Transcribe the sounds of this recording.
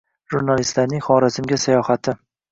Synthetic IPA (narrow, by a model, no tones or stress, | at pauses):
ʒuɾnalist̪laɾnɪŋχɒɾɪzɪmɡʲasajɒhat̪ʰɪ